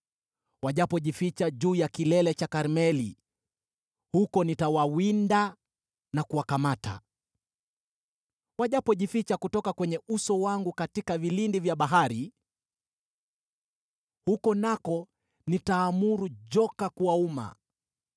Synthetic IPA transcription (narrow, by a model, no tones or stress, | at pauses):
waʄapɔʄifit͡ʃaʄuːjakilɛlɛt͡ʃakaɾmɛlḭ | hukɔnitawawinda | nakuwakamata̰ | waʄapɔʄifit͡ʃakutɔkakwɛɲɛusɔwaŋɡukatikavilindivjaɓaɦaɾi | hukɔnakɔ | nitaːmuɾuʄɔkakuwauma̰